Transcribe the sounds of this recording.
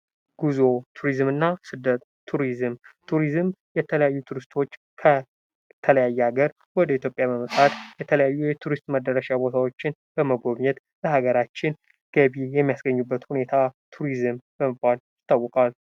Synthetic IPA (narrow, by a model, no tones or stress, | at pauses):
ɡ̥uzo̞t̪ʰuɾizmɨnːasɨd̪ːət̪ʰːuɾizɨmt̪ʰuɾizɨmjɛt̪ʰələjajːut̪ʰuɾɨst̪ʰo̞t͡ʃː | kʰə | t̪ʰələjajːɛaɡəɾ | wɔd̪əit̪ʰjopʼjaməməsʼat̪jɛt̪ʰələjajːujɛt̪ʰuɾist̪məd̪əɾəʃabo̞t̪ʰawo̞t͡ʃːɪn | b̥əməɡo̞βɲɛt̪ | ləhaɡəɾat͡ʃːɪn | ɡ̥əβijɛmːijasɡəɲːubːət̪hune̞t̪ʰat̪ʰuɾizɨmbəməbbaljjɪt̪ːawːɔkʼal